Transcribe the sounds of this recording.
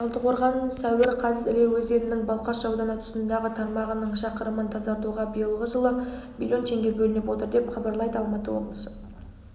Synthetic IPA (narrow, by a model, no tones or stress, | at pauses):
ɑlˠt̪əqʰo̞ɾʁɑnsæwɪɾqʰɑzɪɾewɵze̞nɪnɪŋbɑlˠqɑʃʒɑwd̪ɑnɑt̪ʰʊ̥sənd̪ɑʁət̪ʰɑɾmɑʁənəɴʃɑqəɾəmənt̪ʰɑzɑɾt̪uʁɑbijəlˠʁəʒəlˠəmʲḭlʲjo̞nt̪ʰe̞ŋɡʲe̞bɵlɪnɪpwo̞t̪əɾd̪e̞pχɑbɑɾlˠɑjd̪əɑlˠmɑt̪əwo̞̰blˠəsə